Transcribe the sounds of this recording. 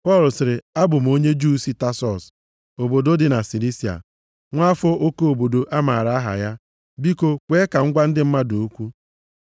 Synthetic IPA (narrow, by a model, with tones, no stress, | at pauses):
pɔ˦˨lʊ˨sɪ˨ɾɪ˨a˦bʊ˨m̩˨o˦ɲe˦d͡ʒu˦si˦ta˦sɔ˨s | o˨bo˨do˦dɪ˨na˨si˨li˦si˨a̰˨ | ŋʷa˦fɔ˦ʔo˦ko˦˨bo˨do˨ʔa˦ma˨ɾa˨˦a˦ɦa̰˨ja˦ | bi˦ko˦kʷe˦ka˨ŋ̩˦ɡʷa˦n̩˦dɪ˦m̩˦ma˦do˨o˦kʷu˦